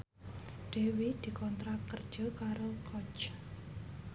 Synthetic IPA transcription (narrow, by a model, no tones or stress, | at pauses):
ɖ̥e̤wid̪̥i̤kɔnt̪ɾakːərd̥ʒ̥ɔ̤kaɾokʰɔt͡ʃ